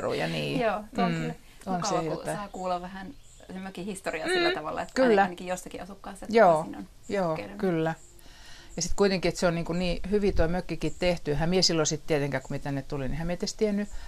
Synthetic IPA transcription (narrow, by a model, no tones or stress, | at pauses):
rṵjɑ̰niːjoːm̩ː | onsejot̪ːɑːkuːlɑʋʋæhæn | semøkihist̪oriɑsilːæt̪ɑʋɑlːɑ̰et̪kylːænɑkijosːɑkiʔɑsukːɑːst̪ːɑjoːno̰n | joːkylːæ | jɑsit̪kuit̪eŋkiet̪seonniːŋkunniːhyʋit̪oimøkːikit̪t̪eht̪yehæmiesilːosit̪t̪iet̪eŋkæhkumiet̪ænːet̪t̪ulinihæmeit̪ːest̪ienːy